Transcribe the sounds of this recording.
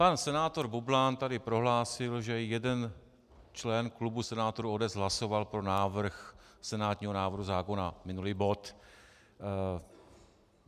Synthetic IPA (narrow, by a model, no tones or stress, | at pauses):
pansɛnaːt̪o̞ɾbublaːnt̪adɪpɾo̞ɦlaːsɪlʒɛjɛdɛn | t͡ʃlɛnklubusɛnaːt̪oɾuodɛzɦlaso̞valpɾo̞naːvr̩xsɛnaːt̪ɲiːɦo̞naːvr̩ɦuzaːko̞namɪnuliːbo̞t̪